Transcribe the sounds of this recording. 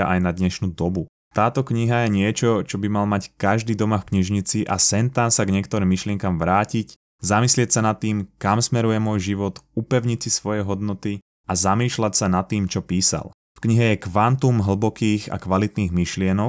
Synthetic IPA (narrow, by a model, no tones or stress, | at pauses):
aʔajnad̪ɲɛʃnuːd̪ɔbu | t̪aːt̪ɔkɲiɦajɛɲɪɛt͡ʃɔt͡ʃɔbimalmackaʒd̪iːd̪ɔmafkɲiʒɲit͡siʔa̰sɛnt̪ansaɡɲɪɛkt̪ɔɾiːmːiʃlɪɛŋkamʋɾaːcic | zamislɪɛcsanat̪ːiːmkamsmɛɾujɛmʊɔjʒiʋɔt̪upɛʊɲit͡sisʋɔjɛɦɔd̪nɔt̪i | azamiːʃlacsanat̪ːiːmt͡ʃɔpiːsa̰l | fkɲiɦɛjɛkʋant̪umɦl̩bɔkiːxa̰kʋalit̪niːɣmiʃlɪɛnɔk